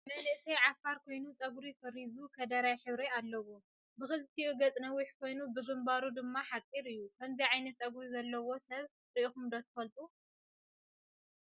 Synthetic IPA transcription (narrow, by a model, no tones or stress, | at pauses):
mɐnɨʔsɐjʕafːaɾkʰo̞jnut͡sʼɐɡɾifɐɾizukʰɐd̪ɐɾajħɨβɾealːɐwu | bɨxɨzt̪ʰiuɡɐt͡sʼnɐwiħkʰo̞jnubɨɡɨmbaɾud̪ɨmːaħakʼːiɾɨjːukʰɐmzijʕajnɐt̪̚t͡sʼɐɡɾizɐlːɐwo̞sɐβ | ɾɨʔixumd̪ot̪ʰɐ̥fɐlt̪ʼu